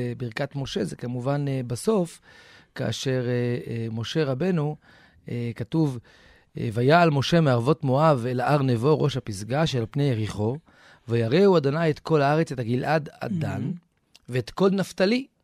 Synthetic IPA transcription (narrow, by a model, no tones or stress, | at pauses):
biʁkatmo̞ʃe̞zekamuvanbaso̞fka̰a̰ʃe̞ʁmo̞ʃe̞ʁabe̞nu | ekatuv | vajaːlmo̞ʃe̞meaʁvo̞tmoavelaʔaʁnevo̞ʁo̞ʃhapisɡaʃelpnejeʁiχo̞ | vajaʁe̞uad̪onajet̪ko̞laaʁet͡setaɡilʔada̰dan | veet̪ko̞lnaft̪ali